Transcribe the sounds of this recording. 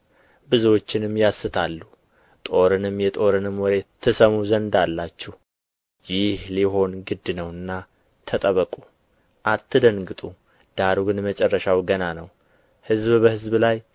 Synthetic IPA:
bɨzwo̞t͡ʃːɪnɨmjasːɨt̪ʰalːu | t̪ʼo̞ɾɨnɨmjɛt̪ʼo̞ɾɨnɨmwɔɾet̪ʰːɨsəmuzənd̪alːat͡ʃːɛh | jɪhliɦo̞nɡɨd̪ːɨnəwɨnːa | t̪ʰət̪ʼəβəkʼu | ʔat̪ʰːɨd̪əŋɡɨt̪ʼu | d̪̥aɾɡɨnmət͡ʃʼɛrːəʃawɡənanəw | hɨzbbəhɨzblaj

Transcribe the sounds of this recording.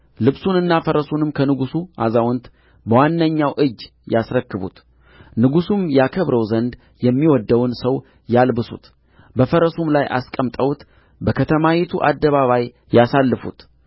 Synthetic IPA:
lɨβsunɨnːafəɾəsunɨmkʰənɨɡusuʔa̰zawɔnt̪ | bəwanːəɲːawʔɨd͡ʒː | jasɾəkːɨβṵt̪ | nɨɡusumjakʰəβɾəwzənd̪ | jɛmːiwɔd̪ːəwnsəw | jalbɨsṵt̪ | bəfəɾəsumlajʔa̰skʼəmt̪ʼəwt̪ | bəkʰət̪ʰəmawit̪ʰuʔad̪ːəβaβaj | jasalːɨfṵt̪

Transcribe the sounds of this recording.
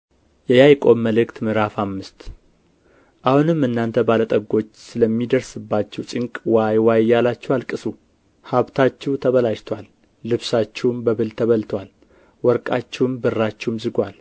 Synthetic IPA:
jɛjajkʼo̞məlɨkt̪mɨɾafamːɨst̪ | ʔahunɨmːɨnːant̪ʰəbalət̪ʼəɡo̞t͡ʃːsɨləmːid̪əɾsɨbːat͡ʃːɛwt͡ʃʼɪŋkʼwajwajjalat͡ʃːɛwalkʼɨsu | haβt̪ʰat͡ʃːɛwt̪ʰəβəlaʃt̪ʰwalː | ɨβsat͡ʃːɛwmbəβɨlt̪ʰəβəlt̪ʰwal | wɔɾkʼat͡ʃːɛwmbɨrːat͡ʃːɛwmzɨɡʷal

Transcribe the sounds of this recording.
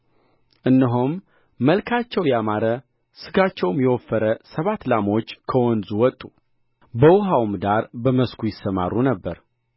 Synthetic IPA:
ʔɨnːəɦomː | əlkʰat͡ʃːɛwjamaɾə | sɨɡat͡ʃːɛwmjɛwɔfːəɾəsəβat̪ːlamo̞t͡ʃːkʰəwɔnzuwɔt̪ʼːu | bəwʊɦawmd̪aɾbəməskʰujɪsːəma̰runəbːəɾ

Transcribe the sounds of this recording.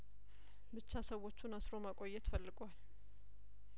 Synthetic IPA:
bɨt͡ʃːasəwːo̞t͡ʃːunasɾo̞makʼo̞jːɛt̪fəlːɨɡal

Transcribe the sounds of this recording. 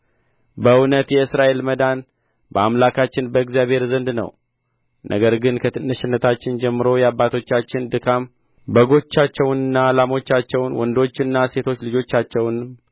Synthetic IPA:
bəwnət̪jɛɨsɾaʔe̞lməd̪an | bəamlakʰat͡ʃːɪnbəɨkzijaβhe̞ɾzənd̪nə̰w | nʔə̰ɡəɾɡɨnkʰət̪ʰɨnːəʃɪnːət̪ʰat͡ʃːɪnd͡ʒɛmːɨɾo̞jɛabːat̪ʰo̞t͡ʃːat͡ʃːɪnd̪ɨkʰam | bəɡo̞t͡ʃːat͡ʃːɛwnɨnːaːlamo̞t͡ʃːat͡ʃːɛwnwɔnd̪o̞t͡ʃːɨnːase̞t̪ʰo̞t͡ʃːlɨd͡ʒo̞t͡ʃːat͡ʃːɛwn

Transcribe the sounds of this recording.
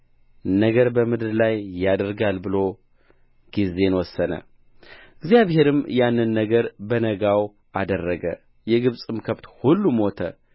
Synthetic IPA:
nəɡəɾbəmɨd̪ɨɾlajːad̪əɾɡalbɨlo̞ | ɡ̥ize̞nwɔsːənə̰ | ɨɡzjaβhe̞ɾɨmjanːɨnːəɡəɾbənəɡaw | ad̪ərːəɡə | jɛɡɨβsʼɨmkʰəft̪hulːumo̞t̪ʰə

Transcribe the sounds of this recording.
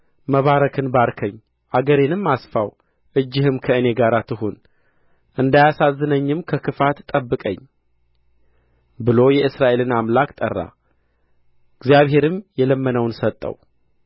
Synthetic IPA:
məβaɾəkʰɨnbaɾkʰəɲː | ʔaɡəɾenɨmːasfaw | ʔɨd͡ʒːɪhɨmkʰəɨne̞ɡaɾat̪ʰɨɦon | ʔɨnd̪ajasazːɨnəɲːɨmkʰəkɨfat̪t̪ʼːəbːɨkʼə̰ɲː | bɨlo̞jɛɨsɾaʔe̞lɨnamlakt̪ʼə̰rːa̰ | ɨɡzjaβɦe̞ɾɨmjɛləmːənəwnsət̪ʼːə̰w

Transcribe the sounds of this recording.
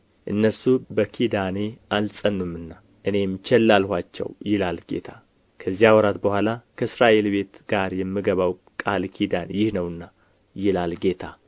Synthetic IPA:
ʔɨnːəsubəkʰid̪aneʔalsʼənːumːɨnːa | ʔɨne̞mt͡ʃɛlːalhʷat͡ʃːɛ̰wjɪlalɡe̞̰t̪ʰa | kʰəzːijawɔɾat̪bəhʷalakʰəɨsɾaʔe̞lbe̞t̪ɡ̥aɾjɛmːɨɡəβaw | kʼalkʰid̪anjɪhnəwɨnːa | jɪlalɡe̞t̪ʰa

